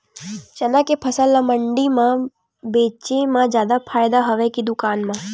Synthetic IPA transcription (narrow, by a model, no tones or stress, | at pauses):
t͡ʃənakepʰəsəlːaməɳɖimã | beːt͡ʃemãd͡ʒjaːd̪apʰaːjd̪aɦəʋekid̪ʊkaːnmã